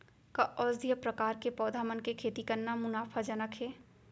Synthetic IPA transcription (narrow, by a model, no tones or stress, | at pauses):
kaʔɔːzd̪ʱijəpɾɐkaːɾkepɔːd̪ʱaːmənkekʰeːt̪ikɐɾnːamʊnaːfʰad͡ʒɐnəkʰɦeː